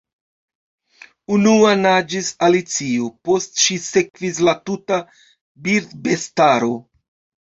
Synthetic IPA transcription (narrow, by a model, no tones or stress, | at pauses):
unuanad͡ʒisalit͡siopo̞stʃise̞kvis̬latuta | biɾd̪be̞staɾo̞